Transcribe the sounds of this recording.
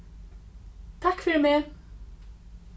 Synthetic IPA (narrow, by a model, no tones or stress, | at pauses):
t̪ʰakːfɪːɾɪmeː